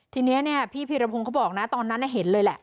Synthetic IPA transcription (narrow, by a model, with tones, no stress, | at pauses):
t̪ʰiː˧ni˦˥ɐni˥˩ɐpʰiː˥˩pʰiː˧ɾa˧pʰo˧ŋkʰa˦˥˩bɔː˨˩k̚na˦˥t̪ɔː˧nːa˦˥nːa˦˧˩ɦe˩˦nlɤː˧jlɛ˨˩